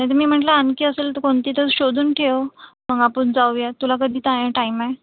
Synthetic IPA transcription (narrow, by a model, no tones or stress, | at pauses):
ãjt̪̬əɾmiːm̤əɳʈlaənkiːəselt̪əkoɳt̪iːt̪əɾɕod̪ʱuːnʈʰeʋm̤əɡapənd͡zaujat̪ulak̬əd̪ʱiːt̪ãjãʈaimae